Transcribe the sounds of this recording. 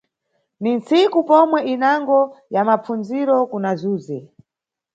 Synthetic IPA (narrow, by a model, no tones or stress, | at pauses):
ninsikupɔmwɛʔinaŋɡɔjamap͡funziɾɔkunazuːzi